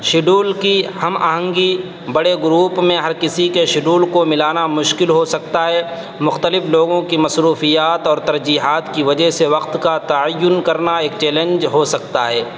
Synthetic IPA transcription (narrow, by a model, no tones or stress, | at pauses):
ʃɪɖuːlkihɐmɐɦə̃ŋɡi | bɐɽeɡʊɾuːpmẽɦɐɾkɪsikeʃɪɖuːlkomɪlaːnamʊʃkɪlɦosɐk̚t̪aɦɛː | mʊxt̪əlɪfloːɡõkimɐsɾuːfijaːt̪ɔːɾt̪ɐɾd͡ʒiːɦaːt̪kiʋɐd͡ʒəɦseʋɐqt̪kat̪ɐəjːʊnkɐɾnaeːk̚t͡ʃɛːlə̃nd͡ʒɦosɐk̚t̪aɦɛː